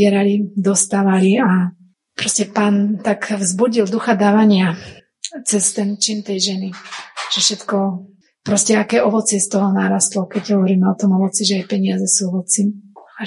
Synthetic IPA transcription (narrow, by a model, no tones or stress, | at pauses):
ɛɾalid̪ɔst̪aːʋalia | pɾɔscɛpaːnt̪akvzbuɟild̪uxad̪aːʋaɲɪa | t͡sɛst̪ɛnt͡ʃint̪ɛjʒɛniʒ̥ɛfʃɛt̪kɔ | pɾɔscɛakɛːʔɔʋɔt͡sɪɛst̪ɔɦɔnaɾast̪lɔkɛɟɦɔʋɔɾiːmɛɔt̪ɔmɔʋɔt͡siʒɛajpɛɲɪazɛsuɔʋɔt͡sia